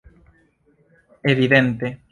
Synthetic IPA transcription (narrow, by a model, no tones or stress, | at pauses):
eβiðent̪e